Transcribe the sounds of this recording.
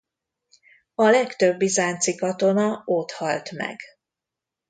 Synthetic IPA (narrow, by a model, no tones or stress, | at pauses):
ɒlɛkt̪øbːizaːnt̪sikɒt̪o̞nɒot̪hɒlt̪mɛ̰ɡ